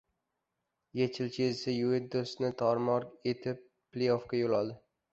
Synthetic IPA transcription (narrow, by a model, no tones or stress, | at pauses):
jet͡ʃʰɪlt͡ʃʰesɪjued̪̚osnɪt̪ʰɒɾmɒɾet̪ʰɪp̚ːlejofkʲajolɒd̪ɪ